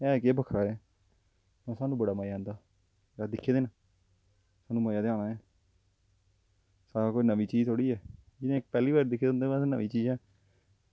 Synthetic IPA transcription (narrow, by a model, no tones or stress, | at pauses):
ɛːkeːbəkʰɾaːɛː | mɛ̃ːsaːnũːbəɽaːmajãːnd̪aː | aːd̪ɪkʰːeːd̪eːna | saːnũːməːjaːd̪eaːnaːɛː | saːɾaːkoːinəʋiːt͡ʃiːzt̪ʰoːɽiːɛːd͡ʒɪnẽːɪk̚pɛːliːβaːɾd̪ɪkʰːeːd̪õnd̪eːãːsnəʋĩːt͡ʃiːzɛː